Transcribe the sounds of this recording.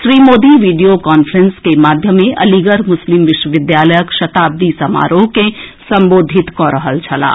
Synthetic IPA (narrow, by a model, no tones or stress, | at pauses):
ʃɾiːmoːd̪iʋiːɖijokaːnfʰɾənskemaːd̪ʱjəmẽʔɐ̰liɡəɾmʊslɪmʋɪʃwəʋɪd̪jaːləjəkʃɐt̪aːb̚d̪isɐma̰ːɾokesə̃mboːd̪ʱɪt̪kɔɾəɦəlt͡ʃʰɐla̰ː